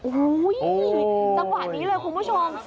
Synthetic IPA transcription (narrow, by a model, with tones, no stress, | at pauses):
ʔo˧˦jʔt̪a˨˧˥ŋwaː˨˩niː˨˥lɤː˧jkʰu˧nmu˥˨t͡ɕʰo˧m